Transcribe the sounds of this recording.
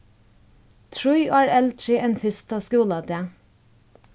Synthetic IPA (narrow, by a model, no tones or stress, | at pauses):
t̪ʰɹʊʏʔɑːɹɛlt̪ʰɹiʔenfʏst̪ʰɑːskuːlɑd̪eː